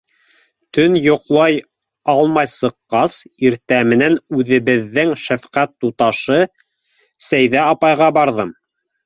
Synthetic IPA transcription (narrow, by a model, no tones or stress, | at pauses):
t̪ɵnjŏqlˠɑj | ɑlˠmɑjsɤ̆qːɑsiɾt̪æmɘ̆nænʉðɘ̆βɘ̆ðːɘŋʃæfqæt̪ːut̪ɑʃɤ | sæjðæɑpɑjʁɑbɑɾðɤm